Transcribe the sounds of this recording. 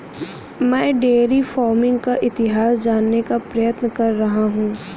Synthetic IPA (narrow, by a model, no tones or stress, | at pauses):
mɛ̃ːɖeːɾifɔːɾmɪ̃ŋɡkaʔɪt̪ɪɦaːsd͡ʒaːnːekapɾɐjət̪nəkɐɾːɐɦaɦũː